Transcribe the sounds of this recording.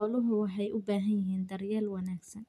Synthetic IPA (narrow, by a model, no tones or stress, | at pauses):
ɔlʊɦʊwɑħɑjʔʊbaːɦɐnjɪɦiːnd̪ɐrjɛːlwɑnaːɡsɐn